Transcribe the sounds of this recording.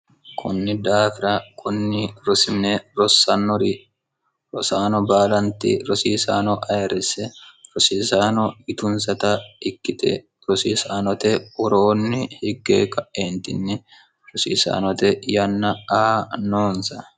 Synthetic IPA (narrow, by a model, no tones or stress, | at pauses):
kʰʊnːɪd̪aːfɪɾɐkʰʼʊnːɪɾɔsɪmneɾɔsːɐnːɔɾi | ɾɔsaːnɔbaːlɐnt̪ɪ̰ɾɔsiːsaːnɔʔɐjɛɾɛsɛɾɔsiːsaːnɔɪt̪ʊnsɐt̪ɐɪkːɪt̪ɛ̰ | ɾɔsiːsaːnɔt̪ɛwɔɾoːnːɪhɪɡːḛːkʼɐʔeːnt̪ɪ̰nːɪ | ɾɔsiːsa̰ːnɔt̪ɛjɐnːɐɐnoːnsɐ